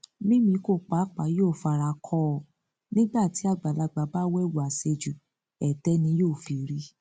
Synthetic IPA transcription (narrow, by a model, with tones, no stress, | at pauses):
mĩ˦mĩ˧ko˦˨k͡pa˨˦k͡pa˨˦joː˦˨fa˧ɾa˧kʰɔ˦˨ | nĩ˦ɡ͡ba˦˨ti˨˦a˦˨ɡ͡ba˨la˧ɡ͡ba˨˧ba˦wɛ˦˨wu˨a˨se˧d͡ʒu˨ | ɛ˨tɛ˦nĩ˧˦joː˦˨fi˨ɾi˦